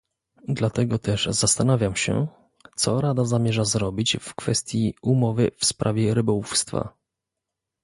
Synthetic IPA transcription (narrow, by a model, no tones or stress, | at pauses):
d̪lat̪ɛɡɔt̪ɛʐzast̪anavʲjamɕɛ̰ | t̪sɔɾad̪azamʲjɛʐazɾɔbʲit͡ɕfkfɛst̪ʲjiumɔvɘfspɾʔavʲjɛɾɘbɔwufst̪fa̰